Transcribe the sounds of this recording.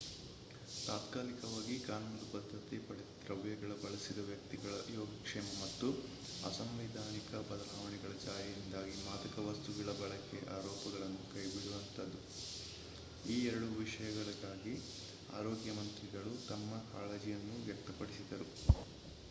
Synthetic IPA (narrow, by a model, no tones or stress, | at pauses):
t̪aːt̪kaːlikɐʋaːɡikaːnund̪upɐd̪ʱːɐt̪ipɐɽɛt̪ɾɐʋjɐɡɐɭɐbɐɭɐsid̪ɐʋjɐk̚t̪iɡɐɭɐjoːɡɐkʂɛːmɐmɐt̪ːu | ɐ̰sɐmʋid̪ʱaːnikɐbɐd̪ɐlaːʋɐɳɛɡɐɭɐt͡ʃaːɾɐjind̪aːɡimaːd̪ɐkɐʋɐst̪ubiɭɐbɐɭɐkːeʔaːɾɔːpɐɡɐɭɐnːukɐjbiɽuʋɐnt̪ɐd̪u | iːɛɾɐɽuʋiʂɐjɐɡɐɭɐɡaːɡi | a̰ːɾɔːɡjɐmɐnt̪ɾiɡɐɭut̪ɐmːɐkaːɭɐd͡ʒijɐnːuʋjɐk̚t̪ɐpɐɽisid̪ɐɾu